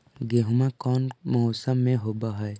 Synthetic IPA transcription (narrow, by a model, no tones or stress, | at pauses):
ɡeɦʊmakɔːnmɔsəmːẽɦoːbaɦɛe